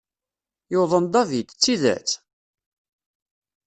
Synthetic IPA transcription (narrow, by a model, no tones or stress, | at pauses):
jowðˤənd̪ɑvid̪t͡sːiðæ̰t͡sː